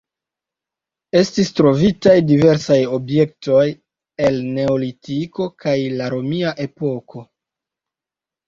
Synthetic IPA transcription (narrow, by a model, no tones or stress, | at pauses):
e̞stistɾo̞vitajdive̞ɾsajo̞bje̞k̚to̞j | e̞lne̞o̞litiko̞kajlaɾo̞miaʔe̞po̞kʰo̞